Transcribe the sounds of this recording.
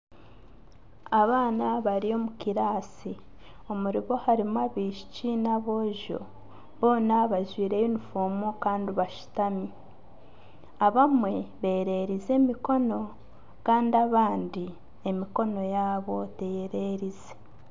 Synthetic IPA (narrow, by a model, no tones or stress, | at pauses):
aβaːnaβaɾio̞mukiɾaːsi | o̞muɾiβo̞haɾimwaβiːʃi̥cinaβo̞ʒo̞̰ | βo̞ːnaβaʒwiːɾe̞jonifoːmukaːndiβaʃu̥tami | aβamwe̞βe̞ːɾe̞ːɾize̞miko̞no̞ | kaːndaβaːndi | e̞miko̞no̞jaːβo̞te̞jeɾe̞ɾize̥